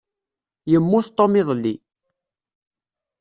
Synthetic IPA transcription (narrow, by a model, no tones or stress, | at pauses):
jəmːʊθt̪ˤːomɪðˤlːi